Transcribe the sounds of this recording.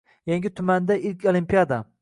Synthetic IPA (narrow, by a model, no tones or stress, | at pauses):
jaŋɡʲɪt̪ʰʊmand̪aʔɪlkʲʰolˠimpijad̪a